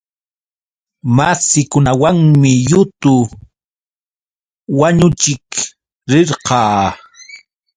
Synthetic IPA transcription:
masɪkʊnawaŋmɪjʊt̪ʊ | waɲʊt͡ʃɪk | ɾɪɾqɑː

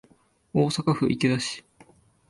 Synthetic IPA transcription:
oːsakaɸɯ̟̰ʔikʲed̪aɕi̥

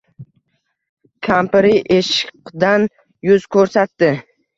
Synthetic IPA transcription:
kʲʰampɾɪʔeʃɪqd̪an | jʊzkʰɵɾsat̪ːɪ

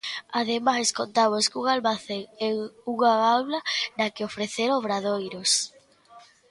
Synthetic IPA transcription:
að̞emaseskont̪aβoskuŋalmaθeŋɛuŋaɣawlɐnɐkeofɾeθeɾoβɾaðojɾos

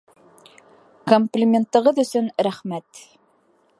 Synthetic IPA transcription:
komplʲimʲent̪ːɤ̆ʁɤðɵ̆sɵnɾæχmæt̪

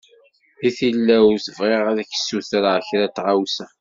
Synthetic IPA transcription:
iθilːæwsəvʁeʁaðəçə̥sːuθɾaəçɾæt̪ːʁawsæ

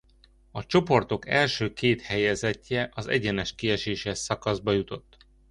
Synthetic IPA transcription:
ɒt͡ʃo̞po̞rt̪o̞kɛlʃøːkeːt̪hɛjɛzɛcːɛʔɒzɛ̰ɟɛnɛʃkiɛʃeːʃɛsɒkɒzbɒjut̪o̞t̪ː

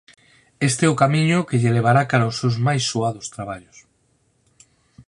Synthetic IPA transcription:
est̪eɛʊkamiɲʊkeʎeleβ̞aɾakaɾaosːewzmajsːuaðʊst̪ɾaβ̞aʎʊs

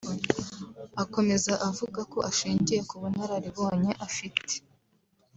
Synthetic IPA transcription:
ako̞me̞zaʔavuɡako̞ʔaʃiːɲɟije̞kuβun̥haɾaɾiβo̞ːɲe̞ʔafite̥

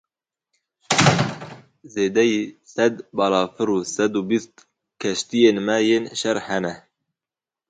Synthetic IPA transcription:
zeːd̪ɛjiːsɛd̪bɑːlɑːfɨɾuːsɛd̪ubist̪ | kʰɛʃt̪ijeːnmɛjeːnʃɛɾhɛnɛ

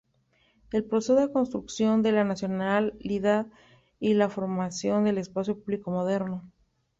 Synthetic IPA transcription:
e̞lpɾosesoðeko̞nst̪ɾuksjo̞nd̪e̞lanasjo̞nalːiðað | ilafo̞ɾmasjo̞nd̪e̞le̞spasjo̞puβliko̞mo̞ðe̞ɾno̞

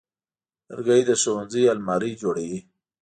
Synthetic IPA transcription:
ɾɡəjd̪əsowanzialmɑɾid͡ʒoɽewi

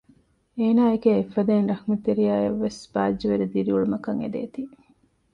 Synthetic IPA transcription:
eːnaːekeefːɐd̪eːnɾɐhmet̪eɾijaːjɐʋːesbaːd͡ʒːɐʋeɾed̪iɾiuɭumɐkɐŋḛd̪ḛːt̪i

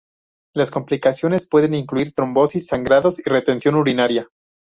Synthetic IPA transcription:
lasko̞mplikasjo̞nespwe̞ðe̞niŋkluiɾt̪ɾo̞mbo̞sisːaŋɡɾaðo̞sire̞t̪e̞nsjo̞nuɾinaɾja

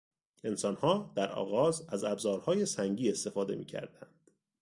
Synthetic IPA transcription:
e̞nsɒnhɒːd̪̥æɾɒ̰ːɣɒːzæzæbzɒːɾhɒːje̞sæŋɟiːe̞st̪e̞fɒːd̪e̞mḭːcʰæ̰ɾd̪ænd̪̥

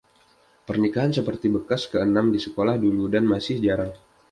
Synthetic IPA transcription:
pərnikaɦansəpərt̪ibəkaskəənamdisəkolahduludanmasɪhd͡ʒaɾaŋ

